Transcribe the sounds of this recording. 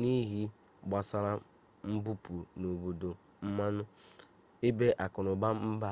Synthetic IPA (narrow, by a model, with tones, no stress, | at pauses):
ni˦ɦi˦ | ɡ͡ba˨sa˦ɾa˦ | m̩˦bu˦pu˨no˨bo˨do˨ | m̩˦ma˦nʊ˦ | e˦be˦ʔa˨kʊ˨nʊ˨ba˦m̩˦ba˦